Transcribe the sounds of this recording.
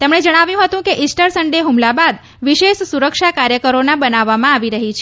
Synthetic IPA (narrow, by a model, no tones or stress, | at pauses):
t̪emɳed͡ʒəɽ̃aʋjũɦət̪ũkeʔɪsʈəɾsəɳɖeɦumlabad̪ | ʋiʃeʃsuɾəkʃakaɾjəkəɾonabənaʋːamãaʋiɾəɦit͡ʃʰ